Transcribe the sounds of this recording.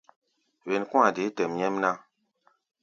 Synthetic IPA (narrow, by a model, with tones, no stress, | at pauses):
we˨n˨kũ˦a˨de˨˦tɛ˨mɲɛ˦mna˦